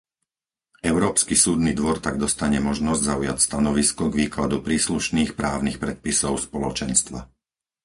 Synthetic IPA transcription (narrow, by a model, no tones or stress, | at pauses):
ɛʊɾɔːpskisuːd̪nid̪ʋɔɾt̪aɡ̚d̪ɔst̪aɲɛmɔʒnɔzɟzauja̰cst̪anɔʋiskɔɡʋiːklad̪upɾiːsluʃniːxpɾaːʊnixpɾɛt̪̚pisɔʊspɔlɔt͡ʃɛnst̪ʋa̰